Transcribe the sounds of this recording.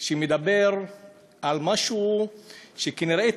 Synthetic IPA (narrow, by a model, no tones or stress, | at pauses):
ʃemed̪abeʁ | almaʃu | ʃekeniɾe